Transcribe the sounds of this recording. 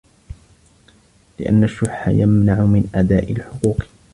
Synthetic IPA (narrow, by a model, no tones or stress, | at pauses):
lɪʔa̰nːaʃːʊħħa̰jamnaʕʊmɪnʔad̪aːʔɪlħʊquːq